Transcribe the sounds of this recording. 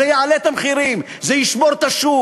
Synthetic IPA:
ejaʕalet̪amχiɾim | zejiʃboɾt̪aʃu

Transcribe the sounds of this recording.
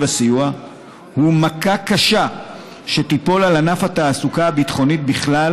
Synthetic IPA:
vasijua | humakakaʃa | ʃe̞t̪ipo̞lalanafat̪aːsukaːbit̪χo̞nit̪̚biχlal

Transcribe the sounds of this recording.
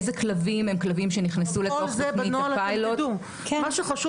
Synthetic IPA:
zeklavimemklavimʃeniχnesuleozebɐinoalpajlotdu | kemaʃuχɐʃu

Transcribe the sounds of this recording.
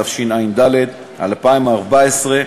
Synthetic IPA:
afʃinajind̪aled̪ | ha̰lpaimaʁbaesʁe

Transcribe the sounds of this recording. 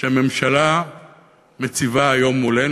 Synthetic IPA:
ʃeame̞mʃala | met͡sivaːjo̞mːule

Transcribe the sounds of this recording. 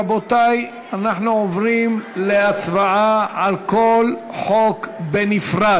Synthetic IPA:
abot̪aj | anaχnuovʁimleat͡svaaʕalkol | ħokbenifʁa

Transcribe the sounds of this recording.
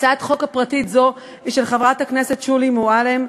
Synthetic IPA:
t͡sat̪χo̞khapʁatitzo̞ | iʃelχavʁathaknese̞tʃulimualem

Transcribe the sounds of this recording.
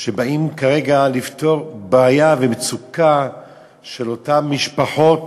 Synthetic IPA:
ʃebaimkaʁeɡalifto̞ʁbaːjavemet͡suka | ʃe̞lo̞tamːiʃpaħo̞t

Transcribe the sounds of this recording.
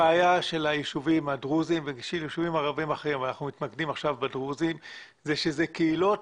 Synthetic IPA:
aajaʃe̞lajiʃuvimadʁuzimveɡiʃilajiʃuvimaʁavimaχimanaχnumit̪nakdimaχʃavbedʁuzim | zeʃezekeilo̞t

